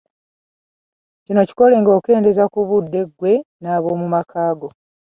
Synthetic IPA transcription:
cino̞ci̥ko̞le̞ːŋɡo̞ːke̞ːnde̞zakuβudːe̞ɡwe̞naːβo̞ːmumakʰaːɡo̞

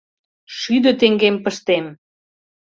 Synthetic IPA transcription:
ʃyd̪ə̆t̪eŋɡempəʃt̪em

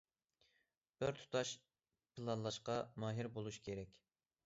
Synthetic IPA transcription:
b̥ɪɾt̪ʰu̥t̪ʰɑʃ | pʰɨlˠɑnlˠɑʃqɑmɑːɦiɾbolˠuʃkʲʰeɾɛkʲ

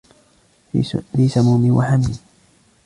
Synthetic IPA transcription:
liːsamuːmɪwʔa̰ħamiːn

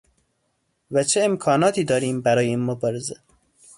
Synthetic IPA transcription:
væt͡ʃʰeemkʰɒːnɒːt̪ʰiːd̪ɒːɾiːmbæɾɒːjeiːnmobɒːɾeze

